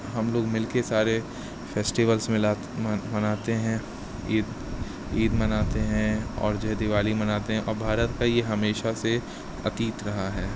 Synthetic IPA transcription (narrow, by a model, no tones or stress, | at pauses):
ɦɐmloːɡmɪlkesaːɾe | feːsʈiʋəlsmɪla | mɐnaːt̪eɦɛ̃ | iːd̪ | iːd̪mɐnaːt̪eɦɛ̃ɔ̰ːɾd͡ʒɐɦd̪ɪʋaːlimɐnaːt̪eɦɛ̃ʔɔ̰ːɾbʱaːɾət̪kajeɦɐmeːʃase | ɐt̪iːt̪ɾɐɦaɦɛː